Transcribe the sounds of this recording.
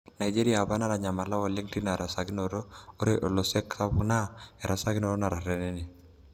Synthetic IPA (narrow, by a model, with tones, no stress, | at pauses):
na˨i˨d͡ʒe˦ɾi˦a˨ba˦na˦ɾa˨ɲa˨ma˨la˦wɔ˨le˦ŋti˦na˨ɾa˨sa˨ɡɪ˦no˨ɾo˦o˦ɾe˦ʔɔ˨lo˨sɛ˦ksa˦bʊ˨na˦ɛ˨ɾa˨sa˦ɡɪ˦no˨ɾo˦na˨ɾa˨ɾɛ˦nɛ˦ni˨